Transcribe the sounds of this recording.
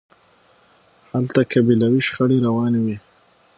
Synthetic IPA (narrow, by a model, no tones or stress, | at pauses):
halt̪akabilawiʃxəɽeɾawɑnwi